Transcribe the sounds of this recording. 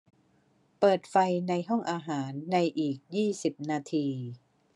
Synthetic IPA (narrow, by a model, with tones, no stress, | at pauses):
pɤː˨˩t̪̚fa˧jna˧jɦɔ˥˩ŋʔaː˧ɦaː˩˦nːa˧jʔiː˨˩k̚jiː˥˩si˨˩p̚naː˧t̪ʰiː˧